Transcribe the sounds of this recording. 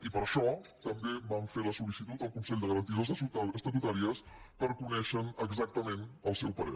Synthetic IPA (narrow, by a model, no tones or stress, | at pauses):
ipəɾəʃɔt̪əmbeβaɱfeləsulisit̪ut̪əlˠkunsɛʎʲd̪əɣəɾənt̪iðos̬uəst̪ət̪̬ut̪aɾiəspəɾkunɛʃənəɡzak̚t̪əmenəlˠsɛwpəɾḛ